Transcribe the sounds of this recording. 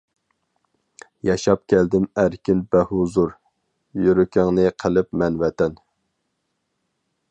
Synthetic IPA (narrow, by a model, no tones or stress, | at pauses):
jɑʃɑp̚kʲʰɛld̪ɪmæɾkʲɪnbɛhuzuɾ | jyɾykʲɪŋnɨqʰəlˠɪpmɛnwɛt̪ɛn